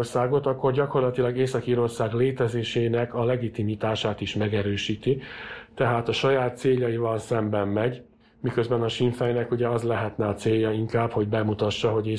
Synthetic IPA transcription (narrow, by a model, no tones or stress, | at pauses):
rsaːɡo̞t̪ɒkːo̞rɟɒko̞rlɒt̪ilɒɡeːsɒkiːɾo̞rsaːɡleːt̪ɛzeːʃeːnɛkɒlɛɡit̪imit̪aːʃaːt̪iʃmɛɡɛɾøːʃiːt̪it̪ɛɦaːt̪ɒʃɒjaːt̪ːseːʎːɒjivɒlsɛmbɛmːɛɟ | mikø̞zbɛnɒʃiɱfɛjnɛkuɟɛɒzlɛɦɛt̪nɛɒt̪seːjːɒiŋkaːpho̞ɟbɛmut̪ɒʃːɒɦo̞ɟeː